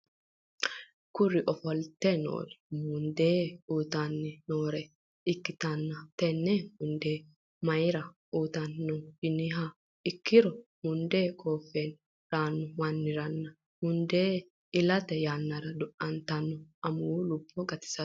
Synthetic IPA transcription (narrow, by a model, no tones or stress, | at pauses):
kʊɾːɪʔɔfɔlt̪ɛno̰ːɾɛ̥mʊnd̪eːuːt̪ɐnːɛnoːɾɛ | ɪkːɪt̪ɐnːɐt̪ɛnːɛmʊnd̪eː | mɐjɾɐ | uːt̪ɐnːɔjɪnɪɦa | ɪkʰːɪɾɔmʊnd̪eːkʰʼoːfːeːn | ɾaːnːɔwɐnːɪɾɐnːɐ | mʊnd̪eː | ɪlɐt̪ɛjaːnːɐɾɐd̪ʊʔɐnt̪ɐnːɔʔɐmʊlʊbːɔɡɐt̪ɪ̥sɐ